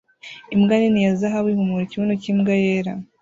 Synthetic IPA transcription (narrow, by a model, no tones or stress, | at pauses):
imɡaninijazaɦawihumuɾiciβunucimɡajeːɾa